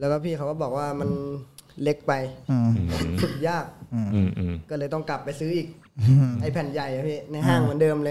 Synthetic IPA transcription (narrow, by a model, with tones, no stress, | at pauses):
lɛː˦˥wkaː˥˩pʰiː˥˩ka˦˥wkɔː˥˩bɔː˨˩k̚waː˥˩ma˧nle˦˥k̚pa˧j | t̪ʰuː˨˩k̚jaː˥˩k̚ː | kːɔː˥˩lɤː˧jt̪ɔ˥˩ŋka˨˩pːa˧jsɯː˦˥ʔiː˨˩k̚ | ʔa˧˩jpʰɛː˨˩˦nja˨˩jʔa˨˩pʰiː˥˩na˧jɦaː˥˩ŋmɯ˩˦ndɤː˧mlɤː˧